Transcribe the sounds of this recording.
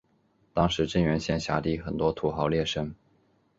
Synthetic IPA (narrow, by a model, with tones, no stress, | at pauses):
t̪ɑ˥ŋʂɻ̩˧˥ʈ͡ʂə˥nɥɛ˧˥nɕjɛ˥˧nɕja̰˧˥t̪i˥˩xə˨˩nt̪wɔ˥t̪ʰu˧˥xɑ˧˥ʊljɛ˥˩ʂə˥ŋ